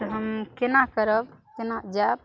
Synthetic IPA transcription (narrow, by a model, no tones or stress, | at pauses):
t̪ɔɦəmkenakəɾəbkenad͡ʒab̚